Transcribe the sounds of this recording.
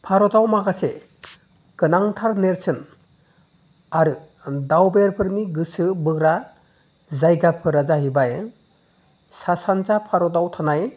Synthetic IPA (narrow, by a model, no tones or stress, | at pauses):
pʰaɾɔdawmaɡase | ɡ̥ɯnaŋtʰaɾneɾsɯn | aɾɯ | dawbeɾpʰɯɾniɡɯsɯbɯɡɾa | zajɡapʰɯɾazaɦibaje | sasanzapʰaɾɔdawtʰanaj